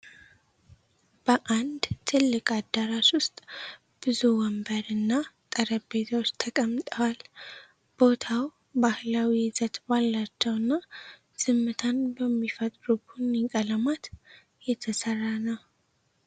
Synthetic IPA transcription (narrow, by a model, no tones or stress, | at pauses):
b̥əʔand̪t̪ʰɨlːɨkʼad̪əɾaʃwʊst̪ʼ | b̥ɨzuwɔmbəɾɨnːat̪ʼəɾəbet̪ʰawot͡ʃːt̪ʰəkʼəmːt̪ʼəwal | b̥o̞t̪ʰaw | bahlawizət̪balːat͡ʃːɛwɨnːa | sɨmːɨt̪ʰanbəmːifət̪ʼɾubunɪŋkʼələmat̪ | jɛt̪ʰəsərːanəw